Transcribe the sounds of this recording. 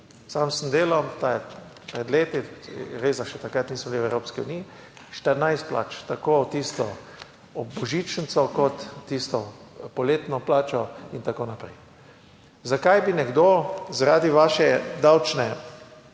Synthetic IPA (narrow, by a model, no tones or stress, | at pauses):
saːmsəmd̪eːlɔmt̪aːjɛ | pɾɛd̪leːt̪iɾeːzaʃɛt̪akɾat̪niːsmɔbliwɛwɾoːpskiṵniːi | ʃt̪əɾnajst̪̚pla̰ːt͡ʃt̪akot̪iːst̪ɔ | ɔbɔʒiːt͡ʃənt̪sɔkɔt̪ːist̪ɔpɔleːt̪nɔplaːt͡ʃɔint̪akoːnapɾɛ̰j | zakajbinɛɡd̪oːzaɾaːd̪iʋaːʃɛd̪awt͡ʃnɛ